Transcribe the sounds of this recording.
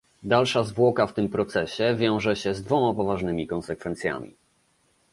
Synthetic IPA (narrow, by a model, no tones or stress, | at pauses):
d̪alʂazvwɔkaft̪ɘmpɾɔt̪sɛɕɛvʲjɔ̃w̃ʐɛɕɛzd̪vɔmapɔvaʐnɘmʲikɔnsɛkfɛnt̪sʲja̰mʲḭ